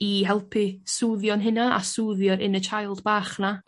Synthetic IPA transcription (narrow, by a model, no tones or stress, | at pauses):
iɦɛlˠpʰisuːðjɔnɦɪnaa̰suːðjɔɾɪnət͡ʃʰajlˠdbaːχna